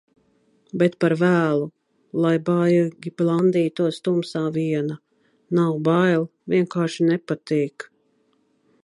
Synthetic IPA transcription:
bɛt̪paɾvæːlˠu | lˠajbajɡʲiblˠand̪iːt̪uɔst̪umsaːviɛna | nawbajlˠvʲiɛnkaːɾʃinɛpat̪iːk

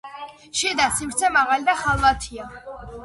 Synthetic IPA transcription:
ʃɛd̪asimɾt̪sʰɛmaʁalid̪aχalˠvat̪ʰia

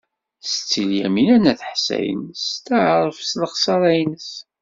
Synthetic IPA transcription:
sət͡sːiljæ̰minænæθħsæ̰jə̰nst̪aʕɾˤəfsləχsɑɾˤæjnəs

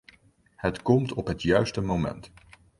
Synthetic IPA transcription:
hətkɔmtɔpɦətjœɥstəmowmɛ̰nt

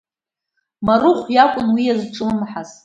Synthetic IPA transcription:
marʊχʷjakʷʼʊnwijazʈ͡ʂʼɨmmħaz

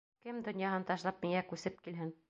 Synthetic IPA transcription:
kɘmd̪ŏnjɑɦɤnt̪ɒʃlˠɑp̚miŋækʉsɘp̚kilɦɘn

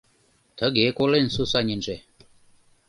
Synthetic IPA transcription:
t̪ʰəɡekolensusaɲʲinʐe

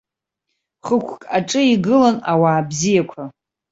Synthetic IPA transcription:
χəkʷʰkʼaʈ͡ʂʼɨiɡɨlanawaːbzijakʷʰa

